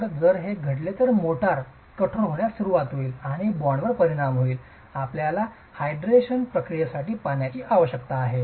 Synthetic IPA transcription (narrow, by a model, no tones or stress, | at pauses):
əɾd͡zəɾɦeɡʱəɽlet̪əɾmoʈaɾ | kəʈʰoɳɦoɳjasuɾuʋat̪ɦoiːlaɽ̃ibɔɳʋəɾpəɾiɽ̃amɦoiːl | apljala | hajɖɾeɕənpɾəkɾijasaʈiːpaɳjat͡ɕiːʔaʋəɕjəkt̪aːɦe